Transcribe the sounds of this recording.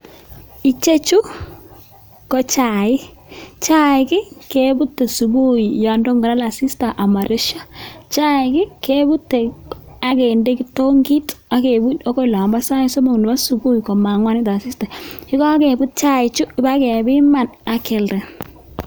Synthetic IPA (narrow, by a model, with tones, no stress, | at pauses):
i˨t͡ʃe˦t͡ʃu˦ | kɔ˨t͡ʃa˨ɪ˦ | t͡ʃa˦ɪ˨kɪ˦ke˦bu˦tːe˨su˨bu˦ji˨jɔ˨ndɔ˦ŋɡɔ˨ɾa˦la˨si˦sta˨ʔa˨ma˨ɾe˦ʃa˦t͡ʃa˦ɪkɪ˦ke˦bu˦tːe˨a˦ke˨nde˦ki˦to˦ŋɡi˦ta˨˦ke˨bu˦dɔ˦kɔ˦˨la˨mba˦sa˦i˦so˦mo˨knɪ˨ba˦su˨bu˦ji˨kɔ˨ma˨ŋwa˦nɪ˦ta˨si˦sta˨t͡ʃi˦kɔ˦ke˨bu˦t̚t͡ʃa˦ɪ˨t͡ʃu˦ɪ˨ba˦kɛ˨bɪ˦ma˨na˨ke˨lɾɛ˨